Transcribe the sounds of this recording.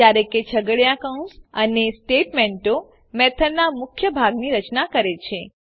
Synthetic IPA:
jaɾeket͡ʃʰəɡəɭjakaũnsənesʈeʈmẽɳʈo | mɛt̪ʰəɾnamʊkʰjəbʱaɡniɾət͡ʃnakəɾet͡ʃʰe

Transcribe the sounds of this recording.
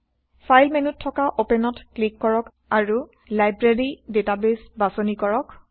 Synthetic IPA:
fʰajlmenutʰːɔkaʔopɛnɔtklikːɔɹɔk | aɹu | lajbɹeɹidetabesbasɔnikɔɹɔk

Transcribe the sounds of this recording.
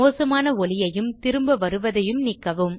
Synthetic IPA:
oːsɐmaːnɐɔɭɪjɐjɯmt̪ɪɾɯmbɐʋɐɾɯʋɐðɐjɯmnɪkːɐʋɯm

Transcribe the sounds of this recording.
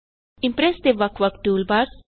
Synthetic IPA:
ɪ̃mpɾest̪eʋɐkʰʋɐkʈuːlbaɾ

